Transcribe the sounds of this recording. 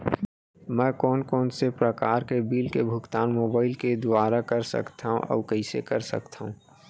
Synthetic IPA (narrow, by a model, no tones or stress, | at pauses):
mɛ̃ːkɔːnkɔːnsepɾəkaːɾkebiːlkebʱʊkt̪aːnmoːbaːɪlked̪ʊaːɾakəɾsə̰kt̪aɦṵ̃ʔɔ̰ːɾkəɪsḛkɐɾsə̰kt̪ʰaːɦũː